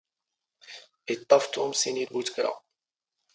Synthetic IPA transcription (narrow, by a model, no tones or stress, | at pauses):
it̪ˤːɑft̪ʊmsinilbut̪kɾa̰